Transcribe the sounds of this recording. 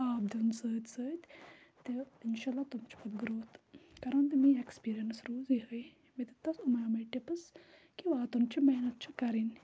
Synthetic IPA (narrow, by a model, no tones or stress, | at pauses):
aːb̚d̪ensəːt̪ʲsət̪ʲ | t̪einʃalːat̪umt͡ʃi̥pɐt̪ɡɾoːt̪kɐɾɐnt̪miːekspiːɾijənsɾuːziɦəj | met̪et̪ɐsumɐjamɐʈepɐs | kiʋaːt̪umt͡ɕimɐɦnɐt̪̚t͡ʃʰikɐɾin